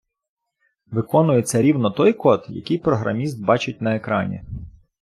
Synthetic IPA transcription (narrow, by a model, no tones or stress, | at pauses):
ʋɪkɔnʊjet͡sʲːɐɾʲiwnɔt̪ɔjkɔt̪jɐ̰kʲɪjpɾɔɦɾɐ̰mʲist̪̚bɑt͡ʃɪt̚ʲnɐekɾɑnʲḭ